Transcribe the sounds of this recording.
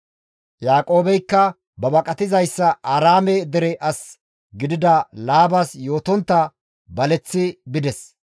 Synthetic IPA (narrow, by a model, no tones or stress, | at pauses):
jaːkʼo̞ːbɛjkːɐ | bɐbɐkʼɐt̪ɪzɐjsːɐʔaːɾaːmɛd̪ɛɾɛʔɐs | ɡɪd̪ɪd̪ɐlaːbɐsjo̞ːt̪ɔnt̪ːɐ | bɐlɛt͡sːɪbɪd̪ɛs